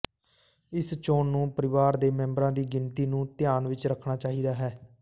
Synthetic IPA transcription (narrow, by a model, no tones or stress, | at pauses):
ɪst͡ʃoːnːũːpəɾɪʋaːɾd̪eːmɛ̃ːmbɾãːd̪iːɡɪnt̪iːnũːt̪ɪjaːnʋɪt͡ʃɾəkʰnaːt͡ʃaːɦiːd̪aːɦɛː